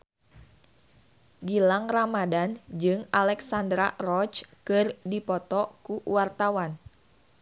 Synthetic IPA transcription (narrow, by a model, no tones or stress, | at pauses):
ɡilaŋramadand͡ʒɨŋalɛksandɾarɔt͡ʃkɨrdipɔt̪ɔkuwart̪awan